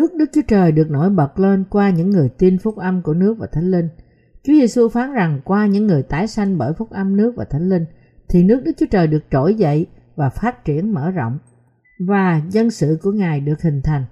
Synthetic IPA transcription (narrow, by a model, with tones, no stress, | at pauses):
nɨ˦˥ək̚ɗɨ˦˥k̚t͡ɕu˨˦ət͡ɕəː˨˩jɗɨ˨˩ək̚no˧˩˦jɓə˨˩t̚le˧nkwaː˧ɲɨ̰˧˥ŋːɨ˨˩əjt̪i˧nfʊ˦˥k͡p̚ʔə˧mku˧˩ənɨ˦˥ək̚vaː˨˩t̪ʰa˨˦jŋ̟lï˧ŋ̟ | t͡ɕi˨˦ze˧su˧faː˨˦nza˨˩ŋkwaː˧ɲɨ̰˧˥ŋːɨ˨˩əjt̪aː˨˦jsa˧jŋ̟ɓəː˧˩jfʊ˦˥k͡p̚ʔə˧mnɨ˦˥ək̚vaː˨˩t̪ʰjŋ̟li˧ŋ | t̪ʰi˨˩nɨ˦˥ək̚ɗɨ˦˥k̚t͡ɕu˨˦ət͡ɕəː˨˩jɗɨ˨˩ək̚t͡ɕo˧˩jzə̰˧˨j | vaː˨˩faː˦˥t̚t͡ɕi˧˩ənmə̰ː˧˥zɔ̰˧˨wŋ͡m | vaː˨˩zə˧nsɨ̰˧˨ku˧˩əŋaː˨˩jɗɨ˨˩ək̚hï˨˩ŋ̟t̪ʰa˨˩jŋ̟